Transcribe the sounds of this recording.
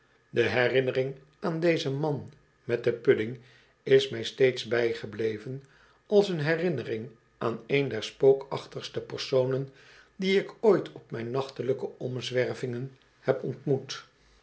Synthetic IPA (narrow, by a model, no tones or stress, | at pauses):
dəɦɛrɪnərɪŋ | aːndejzəmɑn | mɛt̚dəpɵdɪŋ | ɪsmɛjstejtsbɛjχəblejvən | ɑlˠsənɦɛrɪnərɪŋ | aːnejndɛɹspowkɑχtəχstəpəɹsownən | diɪkojtʰɔpmɛjnːɑχtələkəɔmzʋɛrvɪŋən | hɛpɔntmut